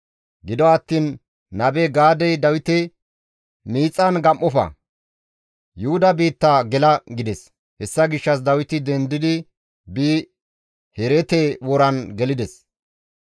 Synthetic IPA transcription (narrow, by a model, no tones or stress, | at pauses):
ɡɪd̪ɔɐt̪ːiːnː | ɐbɛɡaːd̪ɛjd̪ɐwɪt̪ɛ | miːt͡sʼːɐnɡɐmʔːɔfɐ̰ | jʊhʊd̪ɐbiːt̪ːaɡɛlɐɡɪd̪ɛs | hɛsːɐɡɪʃːɐs̬d̪ɐwɪt̪ɪd̪ɛnd̪ɪd̪ɪ | biː | hɛɾɛt̪ewɔɾɐnɡɛlɪd̪ɛs